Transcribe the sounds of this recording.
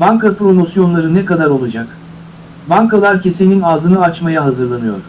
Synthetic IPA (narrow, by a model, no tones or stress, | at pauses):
baŋkʰapɾo̞mo̞sjo̞nlˠaɾɯnɛkad̪aɾo̞lˠud͡ʒak | baŋkalˠaɾcʰese̞ninaːzɯnɯat͡ʃmajaɦazɯɾlˠanɯjo̞̰ɾ̥